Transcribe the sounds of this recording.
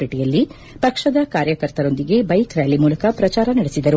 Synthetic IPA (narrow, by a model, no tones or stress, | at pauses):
piʈijɐlːi | pɐkʂɐd̪ɐkaːɾjɐkɐɾt̪ɐɾo̞nd̪iɡe̞bɐjkɾaːlimuːlɐkɐpɾɐt͡ʃaːɾɐnɐɽesid̪ɐɾu